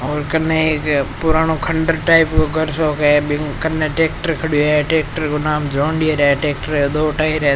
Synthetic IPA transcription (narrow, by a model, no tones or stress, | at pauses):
oːɾkənːekpʊɾaːnokʰəɳɖəɾʈaːɪpkoɡʱəɾsoːkebɪkɐnːeʈeːk̚ʈəɾkʰəɽijoeʈeːk̚ʈəɾkoːnaːmd͡ʒoːɳɖieɾeʈeːk̚ʈəɾd̪oːʈaːiɾɐ